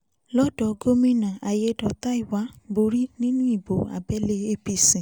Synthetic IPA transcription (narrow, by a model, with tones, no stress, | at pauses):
lɔ˦dɔ˦˧ɡo˦mĩ˦nã˨a˨je˧dɔ˨ta˦i˦˨wa˨˦bo˧ɾi˦nĩ˦nũ˦i˦˨bo˨˦a̰˨bɛ˦le˧e˦pi˧sĩ˨